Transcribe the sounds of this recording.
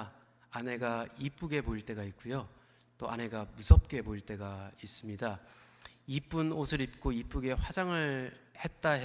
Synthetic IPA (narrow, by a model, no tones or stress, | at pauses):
ane̞ɡaip͈uɡe̞poiɭt͈e̞ɡait̚k͈ujo | t͈oʔa̰ne̞ɡamusʰʌp̚k͈e̞poiɭt͈e̞ɡais͈ɯmɲida | ip͈unosʰɯɾip̚k͈oip͈uɡe̞ɸwad͡ʑaŋɯɭ | he̞t̚t͈aɦe